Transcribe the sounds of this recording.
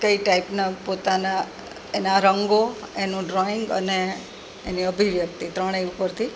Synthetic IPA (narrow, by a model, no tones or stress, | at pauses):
kəiʈaipnapot̪ana | enaɾəŋɡoenũɖɾɔiŋɡə̰neː | niəbʱiʋjək̚t̪it̪ɾəɽ̃eupəɾt̪ʰi